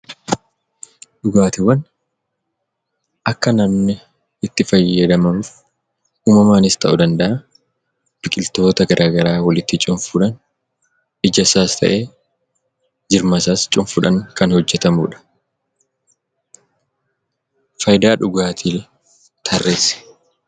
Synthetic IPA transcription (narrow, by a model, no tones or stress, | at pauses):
ᶑʊɡaːt̪ɪwːɐn | ʔɐkːɐnɐmnɪ | ɪt̪ːɪfɐjːɐd̪ɐmɐnf | uːmɐmaːnɪst̪ʰɐʔʊd̪ɐnd̪ɐʔɐ | b̥ɪkʼɪlt̪o̞ːt̪ɐɡɐɾʔaːɡɐɾaːwɐlɪt̪ːɪt͡ʃʼʊɱfʊᶑɐn | ɪd͡ʒɐsaːst̪ʰɐ̰ʔe̞ː | d͡ʒɪɾmɐsaːst͡ʃʼʊɱfʊᶑɐŋkɐnhɔd͡ʒːɛt̪ɐmuːᶑɐ̥ | fɐjd̪aːᶑʊɡaːt̪ʰil | t̪ʰɐrːeːsɛ̥